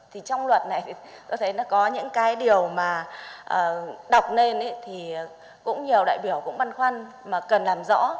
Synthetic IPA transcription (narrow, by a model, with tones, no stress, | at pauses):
t̪ʰi˨˩t͡ɕɔ˧wŋ͡mlwə˨˩t̚na˨˩jt̪ʰi˨˩t̪ɔ˨˧˦t̪ʰə˨˦jnɔ˨˦kɔ˨˦ɲɨ̰˧˥ŋkaː˨˦jɗi˨˩əwmaː˨˩ʔəː˨˩ɗa˨˩wk͡p̚ne˧nʔə˨˦jt̪ʰi˨˩˨ | kʊ̰˧˥ŋ͡mɲi˨˩əwɗa̰ː˧˨jɓi˧˩əwkʊ̰˧˥ŋ͡mɓa˧nxwa˧n | maː˨˩kə˨˩nlaː˨˩mzɔ̰˧˥